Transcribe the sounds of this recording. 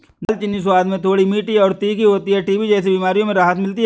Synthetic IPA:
nɐlt͡ʃɪnːis̬ʊwaːd̪mẽt̪ʰoːɽimiːʈiɔːɾt̪iːkiɦoːt̪iɦɛʈibʱid͡ʒɛːs̬ibiːmaːɾijõmẽɾaːɦət̪mɪlt̪iɦ

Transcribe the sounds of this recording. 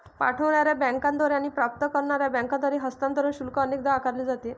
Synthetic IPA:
pa̰ʈʰəʋɳaɾjabɛ̃ŋkãnd̪ʋaɾeaɽ̃iːpɾap̚t̪əkəɾɳaɾjabɛ̃ŋkãnd̪aɾeɦəst̪ant̪əɾuːnɕulkəənek̚d̪akaɾleːd͡zat̪e

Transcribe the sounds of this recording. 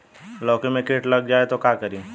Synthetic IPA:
lɔːkemẽkeːʈlɐɡ̚d͡ʒaːet̪okaːkɐɾĩː

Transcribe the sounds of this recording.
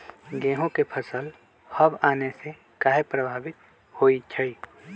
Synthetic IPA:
ɡẽːɦõkepʰəsəl | həbaːnese | kaːɦepɾəbʱaːbɪt̪ | hoːit͡ʃʰəi

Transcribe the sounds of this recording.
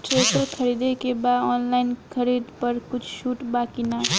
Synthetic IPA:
ʈɾesəɾkʰəɾid̪ekebad̪ɔnlaɪnkʰəɾid̪pəɾkʊt͡ʃʰʃuːʈbakina

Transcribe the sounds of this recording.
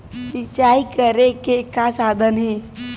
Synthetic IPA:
sɪt͡ʃaːikəɾekekasaːd̪ʱənɦɛ̃ː

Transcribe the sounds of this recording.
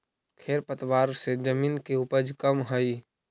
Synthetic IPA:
kʰeːɾpət̪waːɾsed͡ʒəmiːnkeupəd͡ʒkəmɦəi

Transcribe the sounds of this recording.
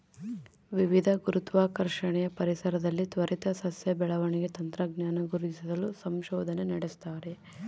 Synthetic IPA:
ʋiʋid̪ʱɐɡuɾut̪ʋaːkɐɾʂɐɳɛjɐpɐɾisɐɾɐd̪ɐlːit̪ʋɐɾit̪ɐsɐsjɐbɛɭɐʋɐɳiɡe̞t̪ɐnt̪ɾɐɡnjaːnɐɡuɾuisid̪ɐlusɐmʃɔːd̪ʱɐnenɐɽest̪aːɾe

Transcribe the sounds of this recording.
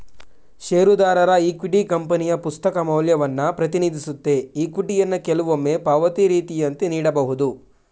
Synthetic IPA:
ʃeːɾud̪aːɾɐɾɐiːkiʈikɐmpɐnijɐpust̪ɐkɐmɐwljɐʋɐnːɐpɾɐt̪iniːd̪isut̪ːe̞iːkuʈijɐnːɐkɛluʋomːeːpɐʋɐt̪iɾiːt̪ijɐnt̪eniːɽɐbɐɦud̪u

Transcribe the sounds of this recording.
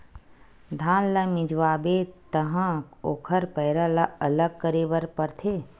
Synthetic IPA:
d̪ʱãːnlɐmɪd͡ʒʋaːbet̪əɦãoːkʰəɾpɐɪɾəlɐɐləɡ̚kəɾeːʋəɾpɐɾt̪ʰeː

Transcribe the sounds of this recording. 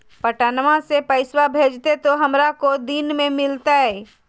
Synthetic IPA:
pɐʈaːnmãsepəɪswabʱeːd͡ʒt̪et̪oɦɐmɾakod̪inmẽmɪlt̪aɦɛː

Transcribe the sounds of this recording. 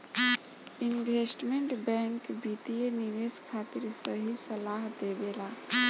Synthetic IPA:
inʋʱesʈmeɳʈbɛŋkbit̪ijeniʋeskʰat̪iɾsəɦisəlaɦd̪ebela

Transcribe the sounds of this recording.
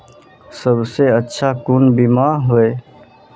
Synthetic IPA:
səbʱseətːʃʰakunbimaɦoe

